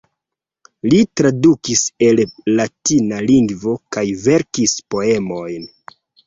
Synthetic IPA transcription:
litɾadukise̞lːatinaliŋɡvo̞kajve̞ɾkispo̞e̞mo̞jn

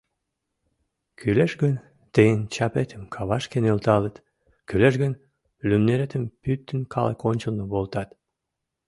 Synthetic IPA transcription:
kʰyleʃɡən | t̪ejənt͡ɕɑpet̪ʰəmkʰɑβɑʃkenølt̪ɑlət̪ | kyleʃɣən | lymneɾet̪əmpyt̪ːənkʰɑlḛkonʲt͡ɕəlnoβolt̪ɑt̪

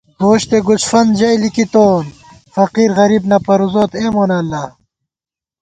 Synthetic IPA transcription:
hoːɕt̪eɡut͡ɕfɐnd͡ʑɐjlikit̪oːn | fɐqiːɾɣɐɾibnɐpɐɾuzoːt̪eːmoːnɐːlːɐ

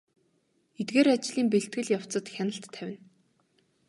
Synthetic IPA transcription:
et̪ɡeːɾat͡ɕɮiːmpeɬt̪ɡɘ̆ɮjaw̥t͡sə̆t̪xʲanə̆ɬt̪ʰːæwʲɪ̆n

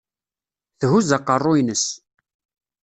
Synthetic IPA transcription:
θɦuzɑqːərˤːoinəs

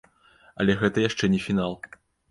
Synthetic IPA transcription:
ɐ̰lʲɛɣɛt̪ɐjaʂt͡ʂɛnʲɛfʲinalˠ

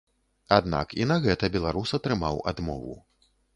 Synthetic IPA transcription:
ad̪na̰kinɐɣɛt̪ɐbʲɛlˠaɾusɐt̪ɾɨmawa̰d̪mɔ̰vṵ

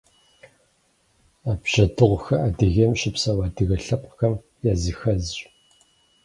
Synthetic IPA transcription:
aːbɕɐdɨʁʷxɐaːdɨɣɐmɕɪpsɐwaːdɨɣɐɬɐp̚ʷʼxɐm | jaːzixɐzɕ

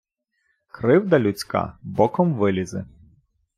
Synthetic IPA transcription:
kɾɪwd̪ɐlʲʊt͡sʲkɑ̰bɔkɔmʋɪlʲizɪ̰

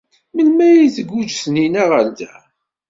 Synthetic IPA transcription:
mənmæjiθəɡːud͡ʒsninæʁəld̪æ

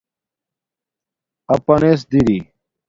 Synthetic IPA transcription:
ɐpɐneːsd̪iɾi

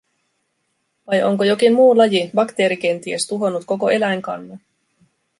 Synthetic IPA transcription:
ʋɑjo̞̰ŋkojo̞kimːmuːlɑjibɑkt̪e̞ːɾik̟e̞nt̪iest̪uɦo̞nːut̪ko̞ko̞e̞læjŋkɑ̰nːɑ

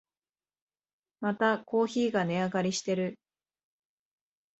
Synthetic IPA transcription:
mat̪ako̞ːçiːɡane̞aɡaɾʲiɕi̥t̪e̞ɾɯ̟

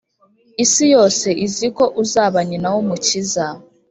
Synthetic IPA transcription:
isijoseʔizikoʔuzaβaɲinawomuciza

